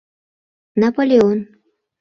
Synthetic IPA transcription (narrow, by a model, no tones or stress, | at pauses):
napolʲeon